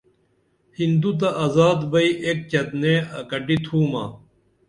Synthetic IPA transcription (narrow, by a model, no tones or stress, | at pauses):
hind̪ut̪̬ɐʔɐzaːd̪bɐiʔek̚t͡ɕɐt̪neːɐkɐʈit̪ʰuːma̰ː